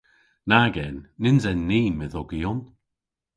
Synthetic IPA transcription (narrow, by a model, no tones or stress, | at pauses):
naɡɛnːɪnzɛnːiːməðɔɡijɔn